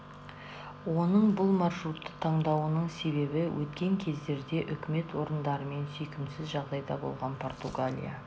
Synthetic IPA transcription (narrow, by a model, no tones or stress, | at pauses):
wo̞nəɴbʊlˠmɑɾʃɾut̪ːə̥t̪ʰɑɴd̪ɑwənəɴse̞βe̞bɪwʔɵt̪kʲe̞ŋkʲʰe̞zd̪e̞ɾd̪e̞ʔʏkʲɪme̞t̪wo̞ɾənd̪ɑɾəme̞nsʏjkʲɪmsɪzʒɑʁd̪ɑjd̪ɑ̰bo̞̰lˠʁɑnpʰo̞rt̪uɡalʲḭja̰